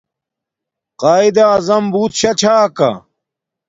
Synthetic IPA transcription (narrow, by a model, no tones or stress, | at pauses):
qaːid̪ɐːzɐmbuːt̪ɕɐt͡ɕʰaːkɐ̰